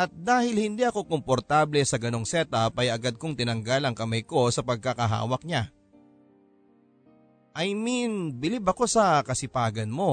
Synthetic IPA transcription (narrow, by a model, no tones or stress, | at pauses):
ʔɐt̪̚d̪aːhɪlhɪnd̪iʔɐko̞ko̞mpoɾt̪aːblɛsɐɡɐno̞ŋsɛt̪ɐpɐjʔɐɡad̪̚koŋt̪ɪnɐŋɡalɐŋkɐmɐjko̞sɐpɐɡ̚kɐkɐɦa̰ːwɐk̚ɲa | ʔɐjminbɪlibɐko̞sɐkɐsɪpaːɡɐnmo̞